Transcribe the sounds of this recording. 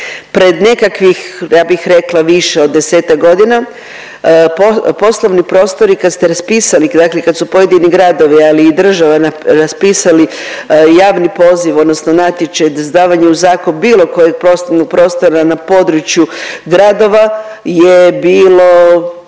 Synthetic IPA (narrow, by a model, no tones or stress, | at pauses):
pɾe̞d̪ne̞kakʋixjaːbixɾe̞klˠaʋiʃeo̞d̪ːe̞seːt̪akɡo̞d̪ina | popo̞slˠoʋnipɾo̞ːst̪o̞ɾikad̪st̪eɾaspiːsalid̪aklekad̪supo̞je̞d̪iniɡɾad̪o̞ʋialiːd̪r̩ʒaʋanaɾaspiːsalijaːʋnipo̞ːziʋo̞d̪nosnonat̪jet͡ʃajd̪zd̪aːʋaɲeuzaːkonubiːlˠo̞ko̞jeɡ̚pɾo̞sloʋnoɡ̚pɾo̞ːst̪o̞ɾanapo̞d̪ɾut͡ʃjuɡɾad̪o̞ʋa | jebiːlo̞